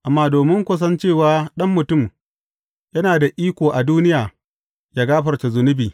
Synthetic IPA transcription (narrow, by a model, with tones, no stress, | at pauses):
ʔa˨mːaː˦doː˨mɪ˦ŋkʷɐ˦s̬ɐ˦nt͡ʃeː˦˨waː˨˦ɗɐ˦mːʊ˨tʊ˦˨m | jɐ˦naː˨da˨ʔiː˦kʷoː˨ʔa˨duː˦nɪ˦jaː˨ | jaː˦ɡaː˦ɸɐ˨rt͡ʃa˨zʊ˨nʊ˦biː˨